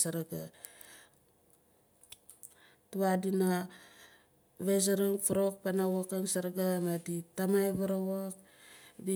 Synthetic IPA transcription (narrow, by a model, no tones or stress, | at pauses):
saɾaɡa | tuwadina | βes̬aɾaŋfaɾok̚panawakaŋsaɾaɡamaditamajβaɾawak | di